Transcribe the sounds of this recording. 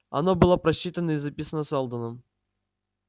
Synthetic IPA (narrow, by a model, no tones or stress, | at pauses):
ɐ̰nobɨlˠapɾɐɕːit̪ənːəizɐpʲisənːəsɛlˠd̪ənəm